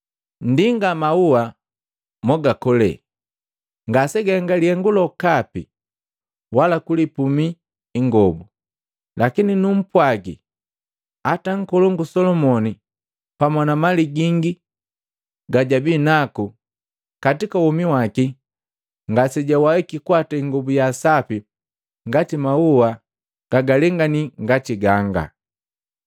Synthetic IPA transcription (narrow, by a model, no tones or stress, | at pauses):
n̩diŋɡamaua | mɔɡakɔlɛ̰ | ŋɡasɛɡaŋɡaliɛŋɡulɔkapḭ | walakulipumiː | ŋɡɔbu | lakininum̩pwaɡḭ | ataŋ̩kɔlɔŋɡusɔlɔmɔni | pamɔnamaliɡiŋɡi | ɡaɟabinaku | katikawɔmiwaki | ŋɡasɛɟawawɛkikwataiŋɡɔbujasapi | ŋɡatimauwa | ɡ̥aɡalɛŋɡaniŋɡatiɡaŋɡa̰